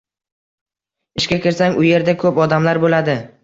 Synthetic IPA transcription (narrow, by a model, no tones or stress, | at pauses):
ɪʃkʲakʲɪɾsaŋʊje̞ɾd̪akʰɵpɒd̪amlaɾbolad̪ɪ